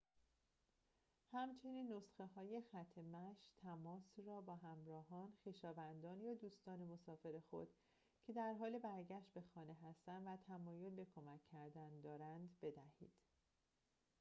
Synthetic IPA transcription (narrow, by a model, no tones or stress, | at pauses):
hæmt͡ʃʰe̞niːnːosxeɦɒːje̞xæt̪ʰːemæʃt̪ʰæmɒːsrɒːbɒːɦæmɾɒːɦɒːnxiːʃɒːvænd̪ɒːnjɒːd̪uːst̪ɒːne̞mosɒːfe̞ɾe̞xo̞̰d̪̥ | cʰe̞d̪æɾɦɒːlebæɾɟæʃt̪be̞xɒːne̞ɦæst̪ænd̪væt̪ʰæmɒːjo̞lbe̞kʰo̞mæcʰːæɾd̪ænd̪ɒːɾænd̪be̞d̪æhḭːd̪̥